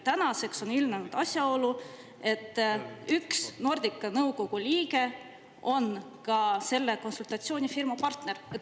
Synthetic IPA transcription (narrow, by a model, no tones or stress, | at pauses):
t̪ænɑse̞kso̞nylmnenud̪̥ɑsʲjɑo̞lu | e̞t̪ːˑyksno̞rd̪̥ikːˑɑnɤwko̞ɡ̥ulʲiːɡe̞ | ʔo̞n | kɑse̞lːe̞konsult̪ɑt̪sio̞ːnʲifirmɑpɑrt̪neret̪ː